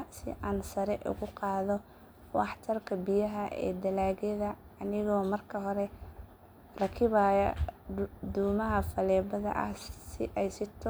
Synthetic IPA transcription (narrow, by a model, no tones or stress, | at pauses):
sɪ̰ʔaːnsɐɾɛʔʊ̰ɣʊqɑːðɔ | wɑ̰ħt̪ʰɐrkʰɐbijɐɦɐʔɛ̰ːd̪ɐlaːɣɛðɐː | nɪɣɔːmɐrkʰɐɦɔɾɛ | rɐkʰɪβaːjɐ | d̪uːmɐɦɐfɐlɛːbɐðɐ̰ʔɐ̰hsɪʔɛjsɪt̪ʰɔ